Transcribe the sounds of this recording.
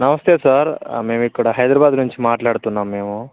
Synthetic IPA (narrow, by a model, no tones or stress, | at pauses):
nɐʋɐst̪ʰesaɾmeːʋikːɐɽaɦɐjd̪ɾabaːd̪nuɲt͡ʃimaːʈlaːɽt̪uːnːameːʋu